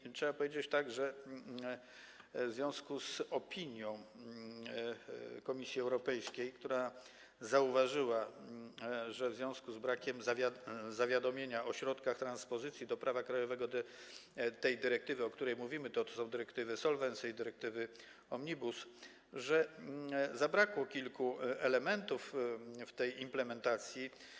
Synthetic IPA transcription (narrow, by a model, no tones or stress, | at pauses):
tʂɛbapɔvʲjed͡ʑet͡ɕt̪aɡʐɛ | vzvʲjɔ̃w̃skusɔpʲiɲjɔ̃w̃ | kɔmʲisʲjiɛwɾɔpɛjskʲejkt̪uɾa | zauvaʐɘwa | ʐɛvzvjɔ̃w̃skuzbɾakʲɛmzzavʲjad̪ɔmʲjeɲaɔɕɾɔt̪kaxt̪ɾãnspɔzɘt̪sʲjid̪ɔpɾavakɾajɔvɛɡɔd̪ | t̪ɛjd̪ɘɾɛk̚t̪ɘvɘɔkt̪uɾɛjmuvʲimɘt̪ɔt̪ɔsɔ̃w̃d̪ɘɾɛkt̪ɘvɘsɔlvɛnsɛjd̪ɘɾɛk̚t̪ɘvɘ | ɔmɲibus | ʐɛ | zabɾakwɔkʲilkuɛlɛmɛnt̪ufft̪ɛjimplɛmɛnt̪at̪sʲji